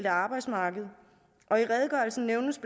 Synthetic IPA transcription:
ld̥əɑ̈ːb̥ɑ̈ɪd̥smɑ̈ːɡ̥əð̞̩ˠ | ʔɒ̽iʁɛð̞ˠɡ̥ɶlsn̩neʊnəsb̥

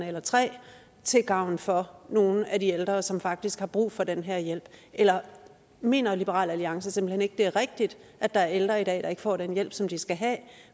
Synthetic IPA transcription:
nəelɐt͡sʰʁɛ̰ː | t͡sʰe̝ɡ̥ɑ̈ʊ̰n̩fɒ̽no̝ːn̩ædield̥ʁɐsɒ̽mfɑ̈ɡ̥̚d̥isɡ̥hɑ̈b̥ʁṵːfɒ̽d̥enɦæɐ̰jel̰b̥ʔelɐ | me̝̰ːnɐlib̥əʁɑ̰ːlæliɑ̈ŋsəsemb̥l̩hene̝ɡ̥əd̥e̝æɐʁɛɡ̥̚d̥id̥ʔæd̥ɑ̈æɐeld̥ʁɐid̥ɛ̰ːd̥ɑ̈e̝ɡ̥əfɒ̰ːɾ̥enjel̰b̥sɒ̽md̥isɡ̥æɦæː

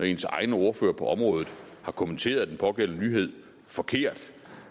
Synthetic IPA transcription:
ɒe̝nsɑ̈ɪnəo̝ːɐfø̰ːɐpʰɒ̽ʔɒ̽mʁɔ̽ːð̞ˠð̩ˠ | hɑ̈kʰoment͡sʰe̝̰ːɐð̞ˠd̥enpʰɒ̽ɡ̥el̰nənyːɦe̝ð̞̰ˠ | fɒ̽kʰe̝ɐ̰d̥

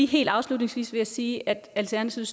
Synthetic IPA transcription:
iɦe̝̰ːld̥ɑ̈ʊslud̥ne̝ŋsʋḭːsʋe̝æsiːʔæd̥ælt͡sʰæɐnæt͡sʰiʊs

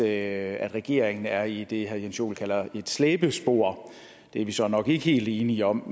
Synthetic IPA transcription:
æd̥ʁɛɡ̥e̝̰ɐ̰eŋn̩æɐid̥e̝ɦæjenso̝̰ːlkʰæl̰ɐe̝d̥sleːb̥əsb̥o̝ɐ̰ | d̥eɐʋisɒ̽nɒ̽ɡ̥e̝ɡəhe̝̰ːld̥e̝ːniɒ̽m̰

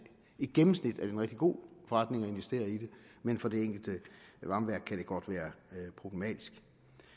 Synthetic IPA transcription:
ed̥̚ɡ̥emm̩snid̥æɐdeenʁɛɡ̥d̥iɡ̥o̝̰ːfɒ̽ʁɑ̈d̥ne̝ŋɒe̝nʋesd̥e̝̰ːɐid̥e̝menfɒ̽d̥e̝eŋ̰ɡ̥l̩d̥əʋɑ̈mʋæɐ̰ɡ̥̚kʰæɾ̥e̝ɡ̥ɒ̽d̥ʋæːɐpʰʁo̝b̥le̝mɛ̰ːd̥isɡ̥

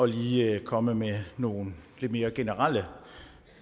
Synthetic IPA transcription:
ɒ̽liːkʰɒ̽məmeno̝ːn̩le̝d̥̚me̝ːɐɡ̥e̝nəʁal̰ə

